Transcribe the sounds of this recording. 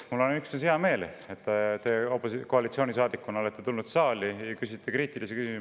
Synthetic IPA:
mulːonyksneseɑme̞ːl | et̪ːt̪e̞ːopːˑosko̞ɑlit̪sio̞ːnis̬ɑːd̪̥ikːuno̞let̪ːe̞t̪ulnud̪̥sɑːlijɑkysit̪ːekriːt̪ilisekysimu

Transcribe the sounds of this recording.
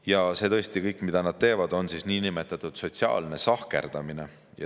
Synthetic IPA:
jɑse̞ːt̪ɤ̞est̪ikɤjkːˑmid̪̥ɑnɑd̪̥̚t̪e̞ːvɑd̪o̞nsisniːnimet̪ːˑɑt̪ːˑud̪̥so̞t̪siɑ̰ːlne̞sɑhke̞̰rd̪̥ɑmine̞ | jɑ̰

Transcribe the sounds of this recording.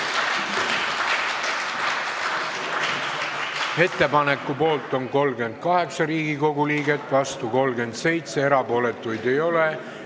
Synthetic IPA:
e̞t̪ːˑe̞pɑne̞kːˑupo̞ːlt̪ˑo̞ŋko̞lɡe̞nd̪̥̚kɑɦe̞ksɑɾiːɡiko̞ɡuliːɡe̞t̪ːˑvɑst̪uko̞lɡe̞nd̪se̞jt̪se̞eɾɑpo̞ːle̞t̪ːˑujd̪e̞jo̞le

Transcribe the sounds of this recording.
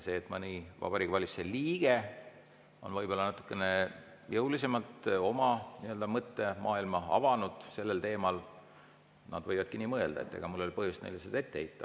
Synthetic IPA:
se̞ːet̪ːˑmɑnivɑ̰b̥ɑɾikːvɑlʲiseliːɡ̥e̞ | o̞nvɤjb̥o̞lːɑnɑt̪ːˑu̥kːˑe̞ne̞ | jɤwlise̞mɑlt̪o̞mɑniøld̪ɑmɤt̪ːe̞mʔɑːilmɑɑ̰vɑnud̪̥se̞lːe̞lt̪e̞ːmɑl | nɑ̰d̪vɤjvɑd̪̥̚kiniːmɤe̞ld̪ɑ̰e̞t̪ːeɡ̥ɑmulːo̞lipɤɦhjust̪nḛjlːiseld̪et̪ːeheijt̪ːˑɑ

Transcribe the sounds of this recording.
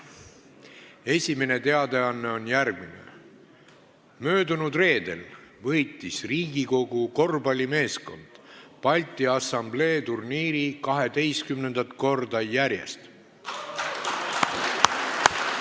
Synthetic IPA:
e̞sʲime̞ne̞t̪e̞ɑd̪e̞ɑnːe̞o̞njærɡ̥minḛ | mø̞ːd̪unud̪re̞ːd̪̥e̞lvɤjt̪ːˑisriːɡiko̞ɡ̥uko̞rbɑlʲime̞ːsko̞̰nd̪̥pɑlʲt̪ˑiɑsɑmble̞ːt̪urniːɾikɑɦe̞d̪e̞jst̪kymne̞nd̪̥ɑt̪ˑko̞rd̪ɑjæɾje̞̰st̪

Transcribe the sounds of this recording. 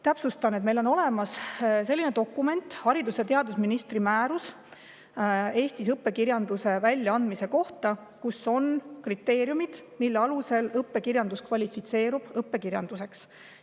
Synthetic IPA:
t̪æpsust̪ɑnet̪me̞jlono̞le̞mɑsse̞lːine̞t̪o̞kːˑume̞nt̪ˑhɑɾid̪uset̪e̞ɑd̪usminist̪rimæːɾus | e̞ːst̪is̬ɤpːe̞kirjɑnd̪use̞vælʲjɑɑnd̪̥mise̞ko̞ht̪ɑ | kuso̞nkrit̪ːˑe̞ːɾjumid̪̥milːeɑluse̞lɤpːˑe̞kirjɑnd̪uskvɑlʲifit̪se̞ːɾub̥ɤpːe̞kirjɑnd̪̥use̞ks

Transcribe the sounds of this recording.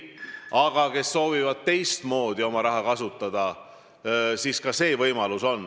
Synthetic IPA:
ɑɡ̥ɑke̞sːo̞ːvivɑd̪̥̚t̪e̞jst̪mo̞ːd̪̥io̞mɑɾɑɦɑkɑsut̪ˑːɑd̪̥ɑ | siːskɑse̞ːvɤjmɑluso̞nː

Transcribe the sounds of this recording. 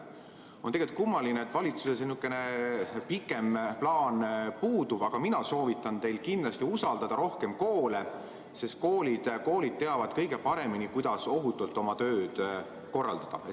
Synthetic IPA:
o̞nt̪eɡelt̪̚ˑkumːɑlineet̪ːˑvɑlʲit̪susesenykːˑe̞nepikːˑe̞mplɑːnpuːd̪ub̥ɑɡ̥ɑminɑso̞ːvit̪ːˑɑnt̪e̞jlkind̪lɑst̪iusɑld̪ɑd̪ɑɾo̞hke̞mko̞ːle̞ | se̞st̪̚ko̞ːlid̪̥ko̞ːlid̪̚t̪eɑvɑd̪̥kɤ̞jɡ̥e̞pɑɾe̞minikujd̪̥ɑso̞ɦut̪ːˑult̪ːˑo̞mɑt̪ø̞ːd̪̥ | ko̞rːɑ̰ld̪ɑd̪̥ɑ̰e

